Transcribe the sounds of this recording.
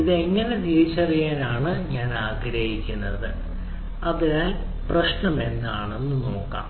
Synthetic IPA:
iðe̞ŋːɐne̞diʋit͡ɕːɐrijaːnaːɳɨɲaːnaːɡɾɐhikʲːunːɐðɨ | ɐðinaːl | prɐɕnɐme̞nːaːɳe̞nːɨno̞ːkːa̰ːm

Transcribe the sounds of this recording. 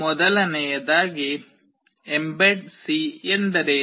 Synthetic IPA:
mɔd̪ɐlɐnɛjɐd̪aːɡi | embeʈ̚siend̪ɐɾe

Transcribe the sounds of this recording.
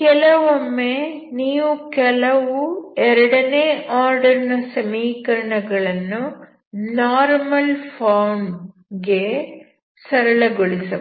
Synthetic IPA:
kɛlɐʋomːeniːʋukɛlɐʋuɛɾɐɽɐneːʔaːɾɖɐɾinɐsɐmiːkɐɾɐɳɐɡɐɭɐnːu | naːɾmɐlpʰaːwɳ | ɡe | sɐɾɐɭɐɡoɭisɐ

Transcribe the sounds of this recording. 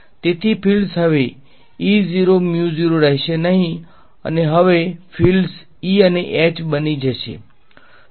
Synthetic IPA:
t̪et̪ʰipʰilsɦəʋe | iziɾomjuziɾoɾɛɦʃenəɦĩ | ə̰neɦəʋefʰils | iəneʔɛt͡ʃbənid͡ʒəʃḛ

